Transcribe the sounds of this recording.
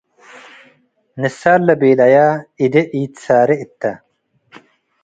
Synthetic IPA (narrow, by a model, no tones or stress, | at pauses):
nɪsaːlːɐbeːd̪ɐjaːid̪eʔiːt̪saːɾiit̪ːɐ